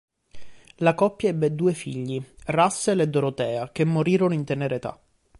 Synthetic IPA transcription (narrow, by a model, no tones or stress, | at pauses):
lakɔpːjaɛbːed̪uːefḭʎːirasːeled̪ːoɾot̪ɛːakemːoɾiːɾonoint̪eneɾet̪a̰